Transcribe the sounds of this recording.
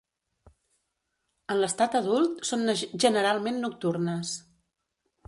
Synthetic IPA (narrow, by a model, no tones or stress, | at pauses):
ənləst̪at̪əðulˠt̪sonʒənəɾalˠmenːuk̚t̪urnəs